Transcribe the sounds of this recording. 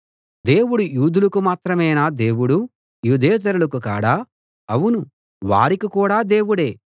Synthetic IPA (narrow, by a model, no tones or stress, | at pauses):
d̪e̞ːwuɽujuːd̪ʱulukumaːt̪ɾɐmɐjnaːd̪e̞ːwuɽu | juːd̪ʱɛːt̪̬ɐɾulukuka̰ːɽaː | ɐwunu | ʋa̰ːɾikikuːɽaːd̪e̞ːwuɽe̞ː